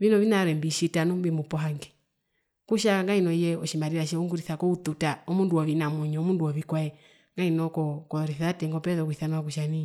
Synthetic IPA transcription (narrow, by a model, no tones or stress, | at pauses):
vinɔβinaɾɛmbiʃitanumbimupɔɦaŋɡɛ | kuʃaŋɡainɔjɛɔʃimaɾiɾaʃ̬ɛuŋɡuɾiθakɔut̪utaɔmunduɔβinamɛɲɔmunduɔβikwaɛ | ŋɡainɔkɔkɔɔɾiθatɛŋɡɔpɛðɔkuiθanuak̬uʃani